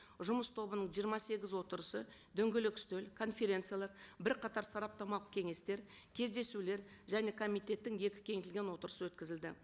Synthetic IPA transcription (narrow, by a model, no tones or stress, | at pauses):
ʒʊməst̪ʰo̞bənəɴʒijəɾmɑse̞ɡʲɪzwo̞t̪əɾəsə | d̪ɵŋɡʲelɪkʲɪ̥st̪elkʰo̞nfʲe̞ɾʲe̞nt̪sɨjalˠɑɾbɪɾqɑt̪ɑɾsɑɾɑp̚t̪ɑmɑlˠəq̚kʲʰe̞ŋe̞st̪e̞ɾkʲʰe̞zd̪e̞sule̞ɾʒæne̞kʰo̞mijt̪ʲe̞t̪ːɪŋje̞kʲɪ̥kʲʰe̞ŋet̪ɪlʲɡʲe̞nwo̞t̪əɾəsəwɵt̪kʲɪzɪld̪ɪ